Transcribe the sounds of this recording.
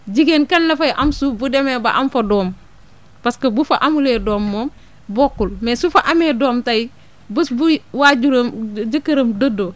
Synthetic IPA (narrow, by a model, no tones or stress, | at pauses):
ɟiɡenkɐnːɐfɐjʔɐmsubudemɛːbɐʔɐmfɐdɔːm | pɐskɐbufɐʔɐmuleːdɔːmːɔːm | bɔkːulmɛsufɐʔɐmeːdɔːmtɐj | bɐsbuwaɟuɾɐmd͡ʒɐkːɐɾɐmdɐdo